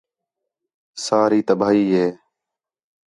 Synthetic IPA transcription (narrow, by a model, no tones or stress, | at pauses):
saːɾiːt̪əbʱaːɦiːɦeː